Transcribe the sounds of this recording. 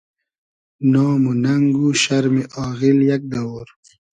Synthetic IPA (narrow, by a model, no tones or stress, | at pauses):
nɑːmunaŋɡuʃaɾmiʔɑːɣiljak̚d̪awoɾ